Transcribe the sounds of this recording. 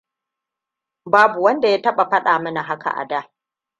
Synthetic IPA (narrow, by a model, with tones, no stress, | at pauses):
baː˦bu˨wɐ˦nda˨ja˦tɐ˦ɓa˨ɸɐ˦ɗaː˨mɐ˦na˨ɦa˦ka̰˨ʔa̰˨daː˦